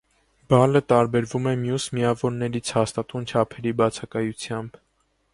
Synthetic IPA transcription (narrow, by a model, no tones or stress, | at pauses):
b̥ɑlət̪ɑɾbɛɾvumɛmjusmiɑvɔɾnɛɾit͡sʰhɑst̪ɑt̪unt͡ʃʰɑpʰɛɾibɑt͡sʰɑkɑjut͡sʰjɑmb